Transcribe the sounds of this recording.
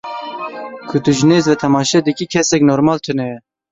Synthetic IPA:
kʰʊt̪ɨʒɨneːzvɛt̪ʰɛmɑːʃɛd̪ɨkiːkʰɛsɛknoːɾmɑːlt̪ʰɨnɛjɛ

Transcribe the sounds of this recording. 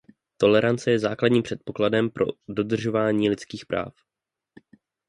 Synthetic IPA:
t̪o̞lɛɾant͡sɛjɛzaːkladɲiːmpr̥ɛt̪po̞kladɛmpɾʔo̞̰do̞d̪r̩ʒo̞vaːɲiːlɪt͡skiːxpɾʔa̰ːf

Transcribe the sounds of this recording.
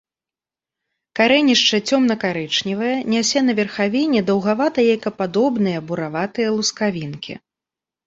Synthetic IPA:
kaɾɛnʲiʂt͡ʂɐt͡sʲɔmnɐkaɾɛt͡ʂnʲivɐjɐnʲasʲɛnɐvʲɛrxavʲinʲɛd̪ɐwɣavat̪ɐjajkɐpad̪ɔbnɨjɐbuɾavat̪ɨjɐlˠuskavʲinkʲḭ

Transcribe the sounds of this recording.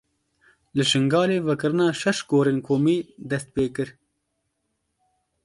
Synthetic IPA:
lɨʃɪŋɡɑːleːvɐkɨɾnaːʃɐʃɡoːɾinkʰoːmiːd̪ɐst̪̚peːkɨɾ

